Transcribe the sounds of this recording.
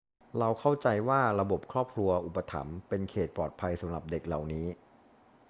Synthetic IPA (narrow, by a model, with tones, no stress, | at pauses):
ɾa˧wkʰa˥˩wt͡ɕa˧jwaː˥˩ɾa˧bo˨˩p̚kʰɾɔː˥˩p̚kʰɾu˧ɐʔu˨˩pːa˧t̪ʰa̰˩˦mpe˧nkʰeː˨˩t̪̚pɔː˨˩t̪̚pʰa˧jsa˩˦mɾa˨˩p̚de˨˩k̚la˨˩wniː˦˥